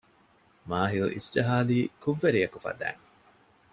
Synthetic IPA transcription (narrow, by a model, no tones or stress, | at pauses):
maːɦilṵʔḭsd͡ʒɐɦaːliːkuʋːeɾijɐkufɐ̰d̪æ̰ːŋ